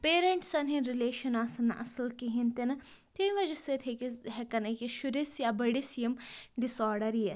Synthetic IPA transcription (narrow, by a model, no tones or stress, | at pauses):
peːɾeɳʈsɐnɦĩɾileːʃɐnaːsɐnʔɐ̰sɐlkiɦint̪enɐ | t̪ʰinʋɐd͡ʒɐset̪ʰekiɦekɐnɐkiʃuɾisjabɐɽisijɐmɖisɔːɾɖɐɾije